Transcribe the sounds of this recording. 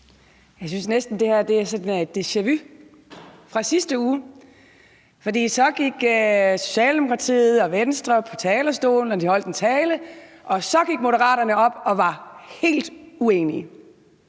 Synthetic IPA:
jɑ̈ɪs̬ynsnesd̥n̩d̥e̝hæɐ̰d̥e̝æɐsɒ̽d̥n̩ed̥eɕæʋy | fʁɑ̈sisd̥əuː | fɒ̽d̥ḭːsɒ̽ɡ̥iɡ̥øso̝̥ɕɛ̰ːld̥e̝mo̝kʰʁɑ̈t͡sʰḭːð̩ˠɒ̽ʋensd̥ʁɐpʰɒ̽t͡sʰɛːlɐsd̥o̝̰ːln̩ɒd̥ihɒ̽l̰d̥ent͡sʰɛːləʔɒ̽sɒ̽ɡ̥iɡ̥̚mo̝d̥əʁɑ̰̈ːɾɐnəɒ̽b̥ɒ̽ʋɑ̈he̝̰ːld̥ueːni

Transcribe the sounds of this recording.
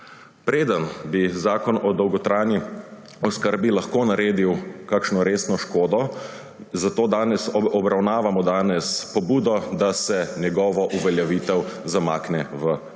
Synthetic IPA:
pɾeːd̪ənbizaːkɔnɔd̪ɔwɡɔt̪ɾaːjni | ɔskəɾbilaxkoːnaɾeːd̪iwkakʃnɔɾeːsnɔʃkoːd̪ɔ | zat̪oːd̪aːnɛsɔbɾawnaːʋamɔd̪aːnɛspɔbuːd̪ɔd̪asɛnjɛɡɔːʋɔʔuʋɛljaʋiːt̪ɛwzamaːknɛʋə

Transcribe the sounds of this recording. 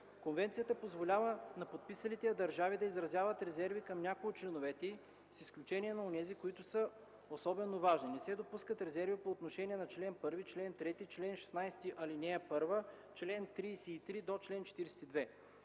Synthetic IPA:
konvɛnt̪sijət̪əpozvolʲavənɐpot̪̚pisɐlit̪ɛjɐd̪ɐɾʒavid̪ɐizɾɐzʲjavət̪ɾɛzɛɾvikɐmnʲakoʊt͡ʃlɛnovɛt̪ɛi | sisklʲut͡ʃɛnʲiɛnɐonɛzikoit̪ʊsə | osɔbɛnovaʒninɛsɛd̪opuskət̪ɾɛzɛɾvipoːt̪noʃɛniɛnɐt͡ʃlɛnpɤɾvit͡ʃlɛnt̪ɾɛt̪it͡ʃlɛnʃɛ̥snajsɛ̥t̪iʔɐlinɛɐpɤɾvə | t͡ʃlɛnt̪ɾiːsɛːt̪ɾid̪ot͡ʃlɛnt͡ʃɛ̥t̪iɾɛsɛ̥t̪id̪vɛ

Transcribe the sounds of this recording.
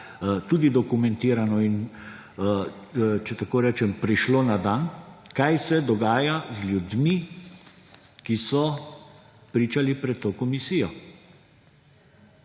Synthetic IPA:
t̪uːd̪id̪ɔkumɛ̃nt̪iːɾanɔin | t͡ʃɛt̪akoːɾɛːt͡ʃɛmpɾiʃloːnad̪ankajsɛd̪ɔɡaːjazlʲjud̪mi | kisɔ | pɾiːt͡ʃalipɾɛt̪̚t̪oːkɔmisiːjɔ

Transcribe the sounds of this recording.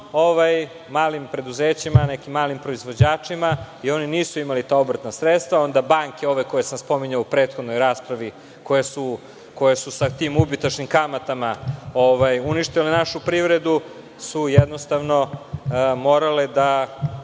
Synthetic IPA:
o̞ʋaj | maːlimpɾe̞d̪uzeːt͡ɕimanekimːaːlimpɾo̞izʋo̞d͡ʑaːt͡ʂima | io̞niniːsuimalit̪ao̞bɾ̩ət̪nasɾet̪st̪ʋao̞nd̪abaŋkeo̞ʋeko̞jesamspo̞miɲaupɾe̞ːt̪xo̞d̪no̞jɾaːspɾaʋi | ko̞jesu | ko̞jesusat̪iːmubit̪at͡ʃnimkamat̪amaoʋajuniʃt̪ilenaʃupɾiʋɾed̪u | sujed̪nost̪aʋno̞ | mo̞ːɾaled̪a

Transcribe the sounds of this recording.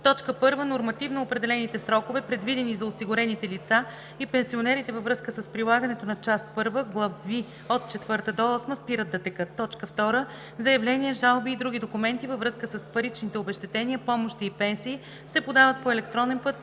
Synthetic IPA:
t̪ɔt͡ʃkəpɤɾvənoɾmɐt̪ivnoːpɾɛd̪ɛlɛnit̪ɛsɾɔkovɛpɾɛd̪vid̪ɛnizɐosiɡʊɾɛnit̪ɛlit̪sa | ipɛnsionɛɾit̪ɛvəvɾɤskəsəspɾilˠaɡənɛt̪onɐt͡ʃast̪̚pɤɾvəɡlˠɐvi | ot̪̚t͡ʃɛt̪vɤɾt̪əd̪ɔɔsməspiɾəd̪ːɐt̪ɛkɤt̪ːɔt͡ʃkəft̪ɔɾə | zɐjɐvlɛnʲiəʒalˠbiːd̪ɾuɡ̟ʲid̪okumɛnt̪ivəvɾɤskəsəspɐɾit͡ʃnit̪ɛobɛʃt̪ɛt̪ɛniəpɔmoʃt̪iːpɛnsiː | sɛpod̪avət̪̚poɛlɛkt̪ɾɔnɛnpɤt̪

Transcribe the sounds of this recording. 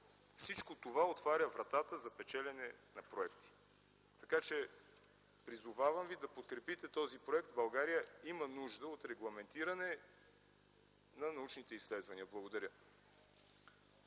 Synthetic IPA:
fsit͡ʃkot̪ovaot̪vaɾʲəvɾɐt̪at̪əzɐpɛt͡ʃɛlɛnɛnɐpɾoɛkt̪i̥ | t̪ɐkat͡ʃɛ | pɾizovavɐmvid̪ɐpot̪kɾɛpit̪ɛt̪ɔzipɾoɛkt̪bɐlˠɡaɾijəimənuʒd̪əot̪ɾɛɡlˠɐmɛnt̪iɾɐnɛ | nɐnɐut͡ʃnit̪ɛislɛd̪vɐniəblˠɐɡod̪ɐɾʲə

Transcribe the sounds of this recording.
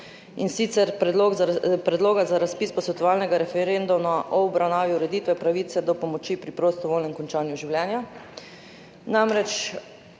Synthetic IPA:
insit̪sɛɾpɾɛd̪loɡpɾɛd̪loːɡazaɾaspiːspɔsɔt̪ɔaːlnɛɡaɾɛfɛɾend̪umaʔɔɔbɾawnaːʋiuɾɛd̪iːt̪ʋɛpɾaʋit̪sɛd̪ɔpɔmɔt͡ʃipɾipɾost̪ɔʋolnɛmkɔnt͡ʃaːnjuʒiwljɛːnja | namɾɛt͡ʃ

